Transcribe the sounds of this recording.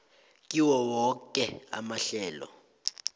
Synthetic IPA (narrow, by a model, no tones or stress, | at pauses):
kʼiwɔwɔkʼɛa̰maɬɛːlɔ̰